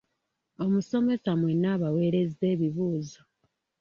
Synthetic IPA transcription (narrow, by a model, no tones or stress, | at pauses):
o̞muso̞me̞samwe̞nːaːβawe̞ːɾe̞ze̞ːβiβuːzo